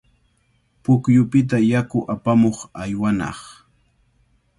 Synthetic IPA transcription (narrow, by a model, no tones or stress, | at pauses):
pʊkjʊpɪt̪̬ajakʊʔapamoχajwanɑ̰χ